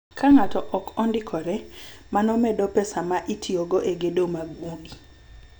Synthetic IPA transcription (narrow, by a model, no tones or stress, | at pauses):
kaŋatɔʔɔkɔndɪkʰɔɾɛmanɔmɛdɔpɛsamaʔitʰiɔɡɔʔeɡedomaɡwoɡi